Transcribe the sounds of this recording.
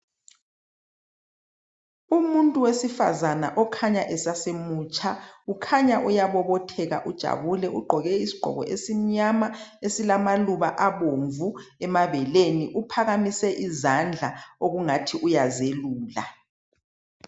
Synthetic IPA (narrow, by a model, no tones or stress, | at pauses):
umuntʼuwesifa̰zanaʔɔkʰaɲaʔɛsasemuːt͡ʃʼaukʰaɲaʔujaβɔβɔtʰɛɣa̰ʔud̥ʒ̥ʱa̰βulɛuɡ͡ǃʱɔɣɛisi̥ɡ͡ǃ̥ʱɔ̰ɣɔ̰ʔesim̩ɲamaesilamaluβaʔaβoɱvuɛmaβɛleniʔupʰaɣamisɛʔizand͡ɮʱaoɣuŋatʰiʔujazeluːla̰